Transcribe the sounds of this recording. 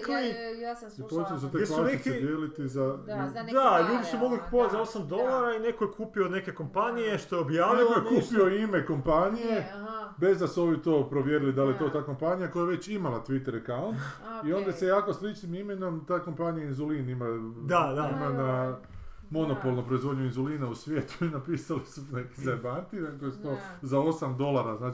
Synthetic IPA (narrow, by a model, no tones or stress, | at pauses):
l | ipot͡ʃeoset̪eslaneekid̪jelit̪izaid̪aʎuːd̪isumoɡliku̥poat̪ʲzao̞samd̪o̞lˠaɾaine̞kojekuːpione̞ke̞ko̞mpanijeʃt̪ojeobjaːʋnielkojekuːpioime̞ko̞mpanijebe̞zd̪asuo̞ʋit̪o̞ːpɾo̞ʋjeːɾilid̪alijet̪o̞t̪aːko̞mpanijako̞jajaʋe̞t͡ʃimalat̪ʋit̪eɾekaunt̪io̞nd̪asejaːkoslit͡ʃnimimeno̞mt̪ako̞mpanijainzulinimad̪ad̪aimana | mo̞no̞po̞lˠnopɾo̞izʋod̪ɲuinzuliːnausʋjeːt̪u̥inapiːsalisuneki̥zaɾbant̪inakojst̪o̞zao̞samd̪o̞lˠaɾaznaːt͡ʃ